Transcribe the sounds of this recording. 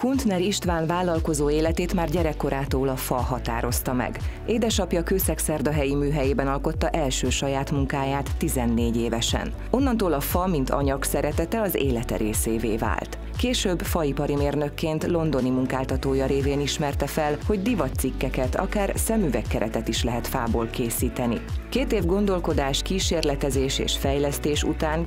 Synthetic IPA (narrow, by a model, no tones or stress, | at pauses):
kunt̪nɛɾiʃt̪ʋaːnvaːlɒlko̞zoːeːlɛt̪eːt̪maːrɟɛɾɛkːo̞ɾaːt̪oːlɒfɒɦɒt̪a̰ːɾo̞st̪ɒmɛ̰ɡʔeːd̪ɛʃɒpjɒkøːsɛksɛrd̪ɒɦɛjimyːɦɛjeːbɛnɒlko̞t̪ːɒʔɛlʃøːʃɒjaːt̪muŋkaːjaːt̪ːizɛnːeːɟeːvɛʃɛ̰n | o̞nːɒnt̪oːlɒfɒmint̪ʰɒ̰ɲɒksɛɾɛt̪ɛt̪ɛɒzḛːlɛt̪ɛ̰ɾeːseːvḛːva̰ːlt̪ | keːʃøːbfɒipɒɾimeːrnø̞kːeːnt̪lo̞nd̪o̞nimuŋkaːlt̪ɒt̪oːjɒɾeːveːniʃmɛrt̪ɛfɛlho̞ɟd̪ivɒt̪sikːɛkɛt̪ʰɒ̰kaːrsɛmyvɛkːɛɾɛt̪ɛt̪iʃlɛɦɛt̪faːboːlkeːsiːt̪ɛnḭkeːt̪eːvɡo̞nd̪o̞lko̞d̪aːʃkiːʃeːrlɛt̪ɛzeːʃḛːʃfɛjlɛst̪eːʃṵt̪aːn